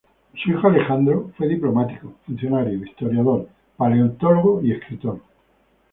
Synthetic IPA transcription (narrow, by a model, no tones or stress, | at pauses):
suixoale̞xand̪ɾofwe̞ðiplo̞mat̪ikofun̟θjo̞naɾjoist̪oɾjaðoɾ | paleont̪oloɣoie̞skɾit̪oɾ